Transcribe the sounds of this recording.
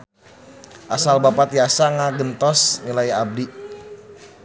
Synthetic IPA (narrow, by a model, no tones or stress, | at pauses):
ʔasalbapat̪ijasaŋaɡənt̪ɔsnilaiab̚di